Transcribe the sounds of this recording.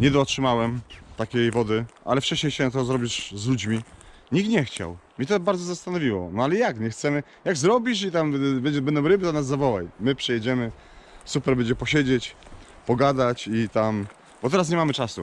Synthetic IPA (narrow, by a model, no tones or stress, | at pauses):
ɲɛd̪ɔːtʂɘmawɛmt̪akʲejvɔd̪ɘa̰lɛft͡ʂɛɕɲejɕɛnat̪ɔzɾɔbʲiʂzlud͡ʑmʲi | ɲiɡ̚t̪ɲɛxt͡ɕa̰wmʲɲɛt̪ɔbaɾd̪ɔzast̪anɔvʲiwɔ̰nɔalɛjakɲɛxt̪sɛmɘ | jaɡzɾɔbʲiʂ̬it̪ambɛɲd͡ʑɛbɛnd̪ɔ̃wɾɘbɘzanazːavɔwajmɘpʂɛjɛd͡ʑɛmɘ | supɛɾbɛɲd͡ʑɛpɔɕed͡ʑet͡ɕ | pɔɡad̪at͡ɕit̪am | b̥ɔt̪ɛɾas̬ɲɛmamɘt͡ʂasṵ